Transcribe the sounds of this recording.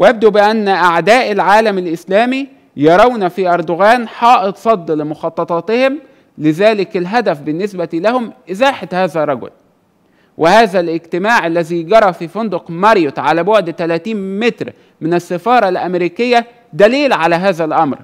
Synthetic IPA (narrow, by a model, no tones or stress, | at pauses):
wjæb̚d̪ubɪʔænːʔaʕd̪æːʔɪlʕaːlæmɪlʔɪslæːmi | jɑɾˤɑwnæfiʔɑɾˤd̪oɣæːnħɑːʔɪt̪ˤsˤɑd̪ˤːlɪmʊxɑt̪ˤːɑt̪ˤɑːt̪ɪhɪm | lɪzæːlɪkɪlɦæd̪æfbɪnːesbæt̪ilæhʊmʔɪzaːħat̪hæːðærˤːɑɡʊ̰l | wʔɪhaːðælʔɪɡt̪ɪmaːʕalːæziɡɑɾˤɑfiːfʊnd̪oqmɑɾjot̪ʕalæːboʕd̪t̪ælæːt̪iːnmet̪ɾ | mɪnɪsːefɑːɾˤɑlʔæmɾiːkɪjːæ | d̪æliːlʕalæɦaːðælʔɑmɾ